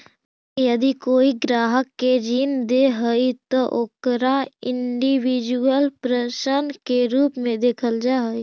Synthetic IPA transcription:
jəd̪ikoːiɡɾaːɦəkːed͡ʒiːnd̪eɦəit̪ɔʔoːkɾaɪɳɖiwid͡ʒuəlpɾəʃənkeɾuːpmẽd̪eːkʰəld͡ʒaɦəi

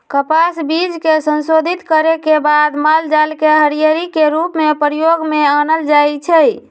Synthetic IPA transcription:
kəpasbid͡ʒkesənsod̪ʱit̪kəɾekebad̪mald͡ʒalkeɦəɾijəɾikeɾupmepɾijoɡmeanəld͡ʒajt͡ʃʰəj

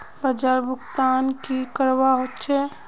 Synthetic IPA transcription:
bəd͡ʒaɾbʱʊkt̪aːnkikəɾwaɦot̪ːt͡ʃʰɛ

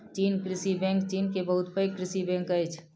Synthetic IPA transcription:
t͡ʃiːnkɾɪsibɛ̃ŋkt͡ʃiːnkebəɦʊt̪pəjkɾɪsibɛ̃ŋkəjt͡ʃʰ

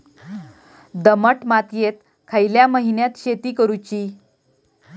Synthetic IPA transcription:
d̪əməʈmat̪jet̪̚ | kʰajljaməɦinjat̪ɕet̪iːkəɾut͡ɕiː

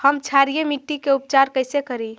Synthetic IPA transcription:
həmt͡ʃʰaɾijemiʈːikeup̚t͡ʃaɾkəɪsekəɾi

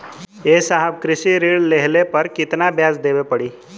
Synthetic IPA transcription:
eːsaɦəbkɾɪsiɾiːɽleɦlepəɾkɪt̪nabjaːzd̪eːbepəɽiː

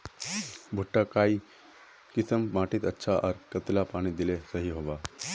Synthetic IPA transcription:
bʱuʈːəkai | kisəmmaʈiːt̪ətːɕʰaʔəɾkət̪lapaɽ̃iːd̪ilesəɦiːɦoʋa

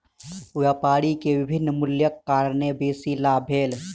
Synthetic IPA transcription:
ʊjapaːɽikeʋɪbʱɪnːmʊljəkːaːɾnebeːsilabʱeːl

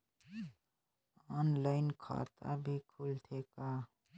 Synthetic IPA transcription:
ɔnlaɪnkʰa̰t̪ʰa̰bʱikʰult̪ʰeka

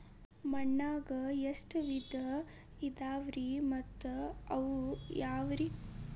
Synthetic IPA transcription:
mɐɳːaːɡɐjesʈʋid̪ʱɐ | id̪aːʋɾimɐt̪ːɐɐʋujaːʋɾi

